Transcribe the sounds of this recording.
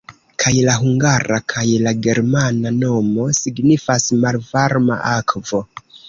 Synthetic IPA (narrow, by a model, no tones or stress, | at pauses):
kʰajlaɦuŋɡaɾakʰajlaɡe̞ɾmanano̞mo̞siɡnifasmalvaɾma̰ʔakvo̞